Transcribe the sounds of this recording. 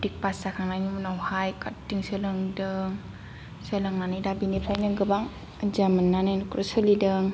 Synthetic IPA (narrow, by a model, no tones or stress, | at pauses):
dik̚pasakʰaŋnajnimunawhajkʰattːiŋsɯlɯŋdɯŋ | selaŋnanijdabinepʰajnɯɡɯbaŋ | zamɯnːanankɾɯsɯlidɯŋ